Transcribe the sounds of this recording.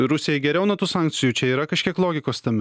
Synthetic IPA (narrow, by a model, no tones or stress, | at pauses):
ɾʊsʲɪjɛɡʲɛɾʲɛʊnɐt̪uːsɑˑŋk̚t̪sʲɪjuːt͡ʃʲɛiːɾɐkɐʃʲkʲiɛklˠoːɡʲɪkoːst̪ʲɐmʲɪ